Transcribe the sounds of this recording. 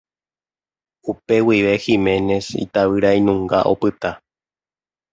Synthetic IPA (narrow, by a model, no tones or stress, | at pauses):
upe̞wiʋe̞ximẽ̞ne̞sḭt̪aʋɨɾajnũŋɡaʔo̞̰pɨt̪a